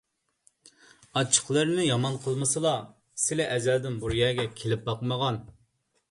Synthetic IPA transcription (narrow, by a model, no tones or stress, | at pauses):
ɑt͡ʃʰːə̥χlˠəɾnɪjɑmɑnqʰəlˠmɨsɨlˠɑ | sɪlɛʔɛzæld̪ɪnbuɾjɛːɡʲɛkʲʰelɪp̚bɑqməʁɑn